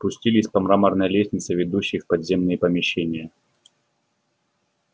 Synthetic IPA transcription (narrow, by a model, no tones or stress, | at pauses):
pʊsʲtʲilʲɪsʲpɐmɾamərnəjəlʲesʲnʲɪt̪səvʲɪd̪uɕːɪjfpɐd̪zʲemnɨjəpəmʲɪɕːenʲɪjə